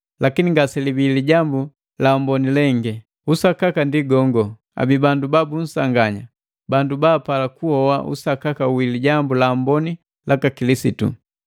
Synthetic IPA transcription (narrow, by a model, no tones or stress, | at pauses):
lakiniŋɡasɛlibiliɟambu | lambɔnilɛŋɡɛ | usakakandiɡɔŋɡɔ | a̰bibandubabun̩saŋɡaɲa | bandubaːpalakuhɔwa̰ʔṵsakakawiliɟambulaːmbɔni | lakakilisitṵ